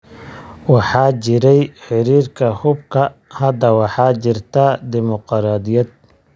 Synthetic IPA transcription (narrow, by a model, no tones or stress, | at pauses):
wɑħɑːt͡ʃɪɾɛjħɪɾiːrkʰɐhʊbkʰɐhɐd̪ɐwɑħɑːt͡ʃɪrt̪ʰɐd̪ɪmʊqɾaːd̪ɪjɐd̪̚